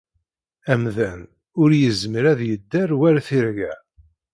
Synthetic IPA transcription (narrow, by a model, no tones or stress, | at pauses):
æmðæn | ʊɾjəzməɾæðjəd̪ːæɾwæɾθiɾɡæ